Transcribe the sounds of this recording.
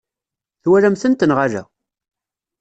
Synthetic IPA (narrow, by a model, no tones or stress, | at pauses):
θwæɾæmθənt̪ənʁalæ̰